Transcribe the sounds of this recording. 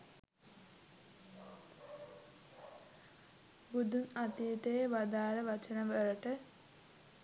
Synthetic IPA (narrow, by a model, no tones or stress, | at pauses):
ɡud̪unat̪iːt̪eːʋad̪aːɾəʋɐt͡ʃənɐʋəɾɐʈə